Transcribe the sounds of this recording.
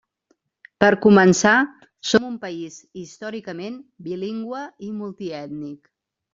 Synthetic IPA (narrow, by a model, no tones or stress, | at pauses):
pəɾkumənsa | somumpəizist̪ɔɾikəmenbiliŋɡwəimulˠt̪iɛt̪nik